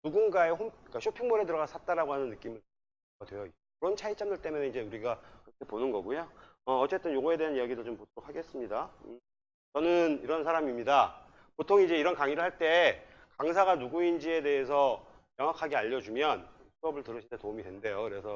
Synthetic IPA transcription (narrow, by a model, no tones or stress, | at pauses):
nuɡunɡae̞ɸomik͈aɕʰopʰiŋmoɾe̞dɯɾʌɡasʰat͈aɾaɡoɦanɯnːɯk͈imɯɭt͡ɕ | ʌɡadwe̞jʌi | kɯɾʌnt͡ɕʰait͡ɕ͈amdɯɭt͈e̞mʌneid͡ʑe̞uɾiɡakɯɾʌkʰe̞ponɯnɡʌɡujo | ʌːt͡ɕ͈e̞t͈ɯnjoɡoe̞de̞ɦanijaɡidɯɭt͡ɕompod̥oɾok̚ʰaɡe̞s͈ɯmɲida | t͡ɕʌnɯniɾʌnsʰaɾamimɲida | potʰoŋid͡ʑe̞iɾʌnkaŋiɾɯɭhaɭt͈e̞ | kaŋs̬ʰaɡanuɡuind͡ʑie̞de̞ɦesʰʌ | jaŋɦwakʰaɡeaʎːʌd͡ʑumjʌn | sʰuʌbɯɭtɯɾɯɕʰidetomidwe̞nde̞jokɯɾe̞sʰʌ